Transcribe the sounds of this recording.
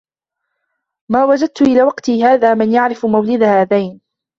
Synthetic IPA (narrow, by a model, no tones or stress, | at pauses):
maːwad͡ʒad̪̚t̪ʊʔɪlaːwɑqt̪iːhaːðaːmɪnjaʕɾɪfmawlɪd̪ahaːðajn